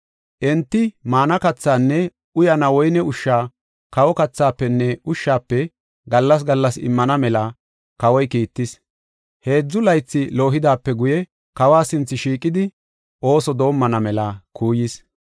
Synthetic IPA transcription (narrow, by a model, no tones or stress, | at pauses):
ʔɛnt̪ːɪmaːnɐkɐt͡sːaːnːɛ | ʊjɐnɐwɔjnɛʊʃːaː | kɐwɔkɐt͡sːaːpːɛnːɛʊʃːaːpːɛ | ɡɐlːɐs̬ɡɐlːɐsɪ̰mːɐnɐmɛlɐ | kɐwɔjkiːt̪ːɪs | he̞ːd͡zːʊlɐjt͡sːɪlo̞ːɦɪd̪aːpːɛɡʊjɛ | kɐwaːsɪnt͡sːɪʃiːkʼːɪd̪ɪ | ʔo̞ːsɔd̪o̞ːmːɐnɐmɛlɐkuːjɪs